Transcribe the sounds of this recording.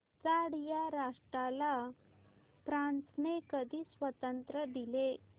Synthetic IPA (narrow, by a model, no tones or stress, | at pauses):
t͡saɽjaɾaʂʈɾala | pɾãnt͡snekəd̪ʱiːsʋət̪ənt̪ɾəd̪ile